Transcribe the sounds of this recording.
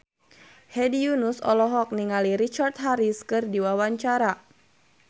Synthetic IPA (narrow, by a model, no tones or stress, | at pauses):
hɛdijunusɔ̰lɔɦɔk̚niŋaliɾit͡ʃart̪̚ɦaɾiskɨrdiwawaɲt͡ʃaɾa